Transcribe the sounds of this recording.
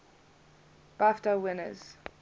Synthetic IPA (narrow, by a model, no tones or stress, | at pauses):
b̥aftəwɪnə̰z̥